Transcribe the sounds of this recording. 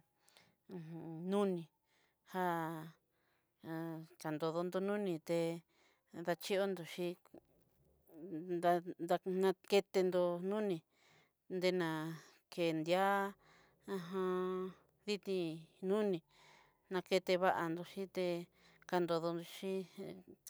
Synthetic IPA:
ũ˧nũ˦nĩ˨ | ha˦˧ | t͡ʃa˨nd̪o˧ðo˧nd̪o˧nũ˦nĩ˧t̪e˧ | ða˧t͡ʃi˦o˦nd̪o˨ʃi˦ | d̪a˧d̪a˧nã˧ke˧t̪e˧nd̪o˧nũ˦nĩ˧ | nd̪e˧nã˨ | ke˨nd̪ja˦ | ã˧ɦã˧ | ði˦t̪ĩ˧nũ˦nĩ˧ | nã˧ke˧t̪e˧βa˦˧ʔa˧nd̪o˧ʃĩ˦t̪e˧ | ka˧nd̪o˧ðo˧nd̪o˧ʃi˦

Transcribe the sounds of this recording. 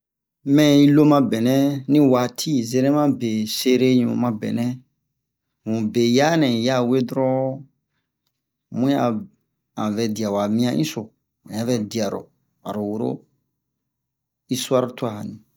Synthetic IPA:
mɛ̃˦˨i˦lo˦mã˦bɛ˨nɛ̃˦nĩ˦wa˨tʰi˦zɛ˧˦ɾɛ̃˦mã˦be˨se˦ɾe˦ɲũ˨mã˧bɛ̰˨nɛ̃˦ | ŋũ˨be˨ja˦nɛ̃˨ja˦˨we˦dɾɔ˦ | mũ˦ja˨ | ã˨vɛ˨di˨a˨wa˨mĩ˦ã˦ʔḭ̃˦so˨ | mũ˨jã˦vɛ˦di˨a˨ɾo̰˨ | a̰˨ɾo˨wo˨ɾo̰˦ | i˦su˦a˦ɾo˦tu˦a˨ha̰˨nĩ˨

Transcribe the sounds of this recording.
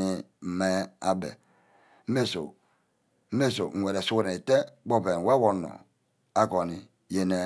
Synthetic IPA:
i˦m̩˨me˦a˦bḛ˨ | m̩˦me˦so̰˨ | m̩˦me˦so̰˨ŋ̩˨we˨ɾe˨su˦wɾi˨te˦ɡ͡bo˦˨pe˨n˨we˦wo˨no̰˨ | a˦ko˨ni˨ | je˦ne˨

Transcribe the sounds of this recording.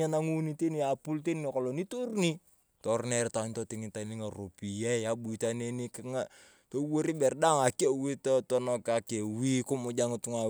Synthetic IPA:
a˦na˦ŋu˦ni˦te˦ni˨a˨pu˦lte˦ni˨ko˨lɔ˨ni˦tu˦rni˦ | tɔ˨rnɛ˨ɾta˨ni˦to˦ti˨ŋi˨ta˨ni˦ŋa˨ro˨pi˨jɛ˦a˨ɓu˨i˨ta˦ne˦ni˦kŋa˨ | to˦wo˦ɾi˦bɛ˨rda˦ŋa˨ke˦wi˦to˦tɔ˦nɔ˦ka˨ke˨wi˦ko˦mʊ˨d͡ʒa˦ŋ˨tu˦ŋa˨

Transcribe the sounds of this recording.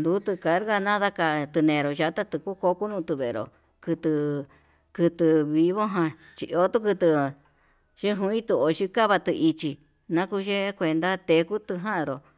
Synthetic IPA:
nd̪u˨˦t̪ɨ˧ka˨˦ɾɣa˧nã˦ða˦ka˧t̪ɨ˧nẽ˨˧ɾo˨ʒa˧˦t̪a˦t̪ɨ˧ku˦ko˧ku˦nũ˧t̪ɨ˧βe˨˧ɾo̰˨ | kɨ˧t̪ɨ˧ | kɨ˧t̪ɨ˧βi˧βo˦ɦã˧ | t͡ʃḭ˧˨ʔo˧˦t̪u˦kɨ˧t̪ɨ˧ | ʃi˦ɦũ˧˦ĩ˦t̪u˧o˨t͡ʃi˧ka˦βa˧t̪ɨ˧ʔi˧t͡ʃi˧ | nã˦ku˧ʒe˦kʷe˧nd̪a˦t̪e˧˦ku˦t̪ɨ˧ɦã˦ʔɾo˨

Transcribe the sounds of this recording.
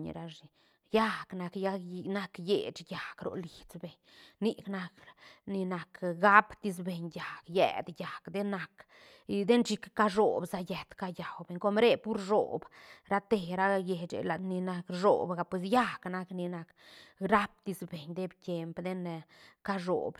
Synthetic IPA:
ɲɾa˧ʐi˨ | ja˦kna˧kja˦na˦kjḛ˨t͡ʃja˨kɾo̰˨li˨t͡sbe˨ɲ | ni˦kna˧kni˧na˨kɡa˦pt̪i˧s̬be˨ɲja˨kjɛ̰˨d̪ja˨kd̪e˦na˧k | d̪e˦nt͡ʃi˧kːa˦ʐo˨bza˧jɛ˨t̪ka˦ja˨wbe˨ɲko˧mɾe˦pu˦ɾʐo̰˨bɾa˦t̪e˨ɾa˦je˨t͡ʃḛ˨la˨d̪ni˧na˧kʐo̰˨bɡa˧pwe˧s̬ja˦kna˧kni˧na˧k | ɾa˦p̚t̪i˧sbe˨ɲd̪e˦bt̪je˧mpd̪e˦nka˦ʐo̰˨b

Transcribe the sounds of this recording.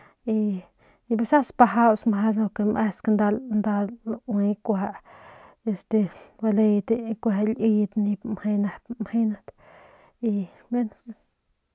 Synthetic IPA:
i˧ | be˧sa˦spa˧ɦa˦wsmha˧˦lo˧ke˧mʔe˦sknd̪a˧lnd̪a˧lwi˧˦kʷaa˧ʔ | e˧st̪e˧ba˧le˧jt̪ekʷa˧lʔi˧t̪ni˧mhe˧jna˧pmhe˦na˧t̪ | i˧ | be˦n

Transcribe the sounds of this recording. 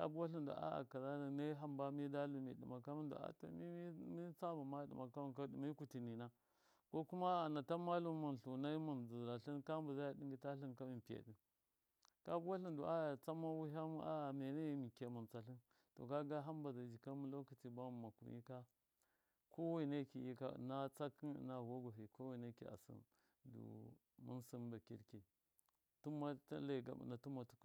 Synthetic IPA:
ka̰˦bu˦wa˦ɬi˦ndo̰˨ʔa̰˦a̰˨ka˨za˦la˨na˦ɦa˦mba˦mi˦da˦lu˨mḭ˨dḭ˨ma˨ka˦mi˦ndo̰˨a̰˦to̰˨mi˦i˦t͡sa˦ba˨ma˦dḭ˨ma˨ka˦mu˨ka˦dmi˦ku˨ti˨ni˨na˦ | ko˦ku˦ma˦a˨na˨ta˦ma˦lu˦mu˨n˨ɬu˨na˦i˦mu˨nzu˨ɾa˨ɬi˦nka˦m˦bu˨za˦ja˨di˦ŋɡi˦ta˦ɬi˦nka˦mi˨m˨pi˨jḛ˨di˨ | ka˦bu˦a˦ɬi˦ndu˨ʔa˦ja˨t͡sa˦mːa˦wu˦ɦa˦mu˦ʔa˦ja˨me˨na˦˨˦mi˨ke˨mu˨nt͡sa˨ɬi˦n | to̰˨ka˦ɡa˦ɦa˦mba˨za˨d͡ʒi˨ka˦mu˦lo˦ku˨ti˨ba˦u˨ma˨kṵ˨jḭ˦ka˦ | ko˦wi˦na˦ki˨ji˦ka̰˦˨na˦t͡sa˦ki˦n̰˨na˨wo˦ɡa˨ɦi˨ko˦wi˨na˦kḭ˨a̰˨sḭ˦n | dṵ˨ | mṵ˦nsi˦nba˨kḭ˦ɾke˨ | tu˦ma̰˦la˦˨ɡa̰˨mṵ˨na˨tu˦ma˨tu̥˦k

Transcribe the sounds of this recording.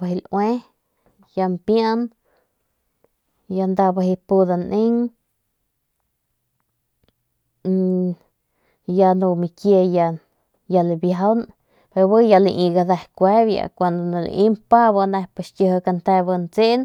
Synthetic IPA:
baɦi˧lʔwe˦ | ja˧mpja˦n | ja˧nd̪a˧ba˧ɦi˧pu˧d̪a˧nʔi˦ŋ | ja˧nu˧mi˧kje˧ja˧ | ja˧libjaɦa˦wn | pe˧ɾbɨ˦ja˧lḭ˧ʔi˧ɡa˧d̪a˧hkʷe˦bja̰˧kʷa˧nd̪o˨na˧lḭ˨ʔi˦mpa˦ba˧na˧pesʲə˧hka˧nt̪e˧bə˧nt͡se˦ʔn

